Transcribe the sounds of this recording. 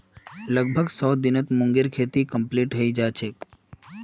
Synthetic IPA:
ləɡ̚bʱəɡsɔd̪ɪnət̪mʊ̃ŋɡeɾkʰet̪ikəmpliʈɦəid͡ʒat͡ʃʰe

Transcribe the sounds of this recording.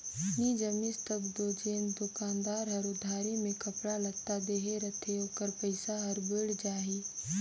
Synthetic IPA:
nid͡ʒəmɪst̪əbd̪oːd͡ʒeːnd̪ʊkaːnd̪aːɾɦɐɾʊd̪ʱaːɾimẽkɐpɽalɐɡ̚t̪ad̪eːɦeɾɐt̪ʰeoːkəɾpəɪsaɦɐɾbɪɽd͡ʒaːɦiː

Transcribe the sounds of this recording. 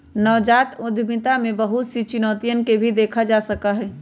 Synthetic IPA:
nəʋd͡ʒat̪ud̪ʱmit̪amebəɦut̪sit͡ʃinɔt̪ijənkebʱid̪ekʰad͡ʒasəkəɦɛ

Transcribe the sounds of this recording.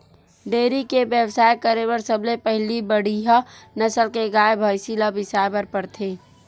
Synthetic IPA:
ɖeːɾikebjebsaːjkəɾebəɾsəblepəɦlibəɽ̤iɦanɐsəlkeɡaːebʱaːjsilabɪsaːjbəɾpəɾt̪ʰeː

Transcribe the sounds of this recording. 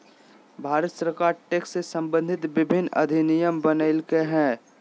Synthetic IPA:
bʱaːɾət̪səɾkaːɾʈeːkssesɐ̃mbə̃nd̪ʱɪt̪ʋɪbʱɪnːɐ̰d̪ʱɪnɪjəmbənəɪlkeɦɛ̃ː

